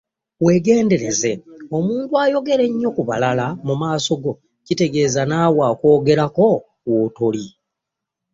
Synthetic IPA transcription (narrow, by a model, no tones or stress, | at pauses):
we̞ːɡe̞ːnde̞ɾe̞ze̞o̞muːntuaːjo̞ɡe̞ɾe̞ɲːo̞kuβa̰lalamumaːso̞ɡo̞ | cite̞ɡe̞ːzanaːwaːko̞ːɡe̞ɾako̞ | woto̞li